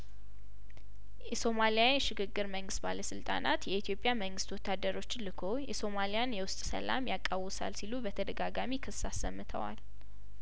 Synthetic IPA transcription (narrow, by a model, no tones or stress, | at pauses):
jɛso̞malijajʃɪɡɨɡːɨɾməŋɡɨst̪̚ba̰ləsɨlt̪ʼa̰nat̪jɛit̪ʰjo̞pʼjaməŋɡɨst̪wɔt̪ʰːad̪əɾo̞t͡ʃːɪlɨkʰo̞jɛso̞malijanjɛwʊst̪ʼsə̰la̰mjakʼːawɨsa̰lsilubət̪ʰəd̪əɡaɡamikʰɨsasːəmːɨt̪ʰə̰wa̰l